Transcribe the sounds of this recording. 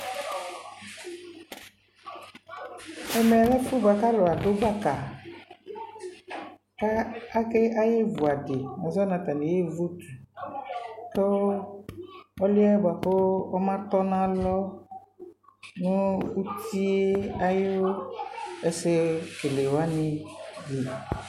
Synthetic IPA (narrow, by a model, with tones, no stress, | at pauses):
ɛ˨me˨lɛ˦fu˦ba˨ka˦lo˨a˨do˦ba˦ka˨ | ka˦a˦ke˦ʔa˦je˦vu˨a˨de˨a˨zɔ˦nã˨t̪a˨ne˨je˦vu˦t̪u˨ | t̪o˦ | ɔ˦li˦ɛ˦ba˨po˦ɔ˦mã˦t̪ɔ˦nã˦lɔ˦ | nũ˦u˦t̪i˦e˦a˦jo˦ | ɛ˨se˦ke˨le˨wa˦nɪ̃˨di˨